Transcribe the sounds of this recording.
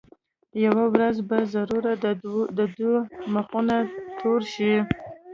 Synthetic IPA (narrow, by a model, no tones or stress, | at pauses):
jawawɾazbazaɾuɾad̪əd̪maχunat̪ʰoɾʃi